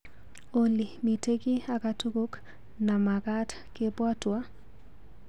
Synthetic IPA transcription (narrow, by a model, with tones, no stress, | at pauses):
o˨li˨mi˨te˦ki˦a˨ka˨to˦ko˦k | na˨ma˨ka˦t | ke˦pwa˦twa˦